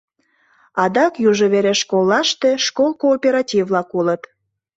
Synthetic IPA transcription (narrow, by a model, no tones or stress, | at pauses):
ɑd̪ɑkjuʒəβeɾeʃkolˠːɑʃt̪e̽ʃkolˠkoːpʲeɾɑtʲivlɑkulət̪